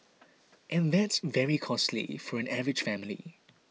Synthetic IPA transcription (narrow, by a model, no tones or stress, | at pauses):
ʔɛ̃nðætsvɛɹikʰɔslḭfɔɹɨ̃nævɹɪ̥d͡ʒfæ̃mlḭ